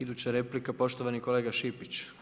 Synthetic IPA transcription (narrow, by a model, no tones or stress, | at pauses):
id̪uːt͡ɕaɾeplikapo̞ʃt̪oʋanikoleːɡaʃipit͡ɕ